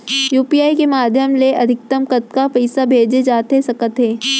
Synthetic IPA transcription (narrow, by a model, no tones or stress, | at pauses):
juːpiːaːikemaːd̪ʱjəmleʔɐd̪ʱɪk̚t̪əmkət̪̚kapɛɪsabʱeːd͡ʒed͡ʒaːt̪esɐkət̪ɦeː